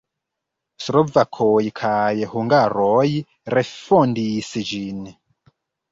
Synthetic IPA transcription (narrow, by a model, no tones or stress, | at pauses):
sɾovakʰojikʰajɛhuŋɡaɾɔji | ɾefondisid͡ʒin